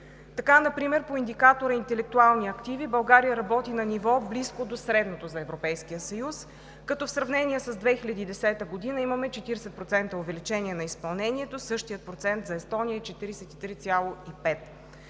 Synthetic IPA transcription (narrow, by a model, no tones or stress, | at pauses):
t̪ɐkanɐpɾimɛɾpoind̪ikat̪oɾəint̪ɛlɛk̚t̪ualˠniɐkt̪ivibɐlˠɡaɾijəɾɐbɔt̪inɐnivɔbliskod̪osɾɛd̪not̪ozɐɛvɾopɛjskijəsɐjus | kɐt̪ɔfsɾɐvnɛniɛsəzd̪vɛxilʲɐd̪iːd̪ɛsɛt̪əɡod̪inəimɐmɛt͡ʃɛt̪iɾɛsɛt̪pɾot̪sɛnt̪əovɛlit͡ʃɛniɛnɐispɐlˠnɛnʲiɛt̪osɤʃt̪ijət̪̚pɾot̪sɛnt̪zɐɛst̪ɔnijəɛt͡ʃɛt̪iɾisɛt̪it̪ɾit̪sʲjalˠoipɛt̪